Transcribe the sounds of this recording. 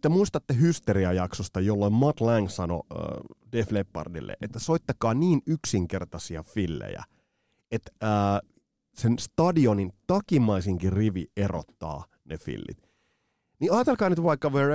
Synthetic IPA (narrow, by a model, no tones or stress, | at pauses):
t̪emuist̪ɑt̪ːeɦyst̪eriɑjɑksost̪ɑjolːoimmɑt̪læŋsɑno̰deflepːɑ̰rdḭlːḛʔet̪ːæsoit̪ːɑkɑːniːnyksiŋkert̪ɑsiɑfilːḛjæ̰ | et̪əː | senst̪ɑdionint̪ɑkimɑisiŋkiriʋiero̰t̪ːɑ̰ː | nefḭlːḭt̪ | niɑːt̪elkɑːnyt̪ʋɑikːɑʋe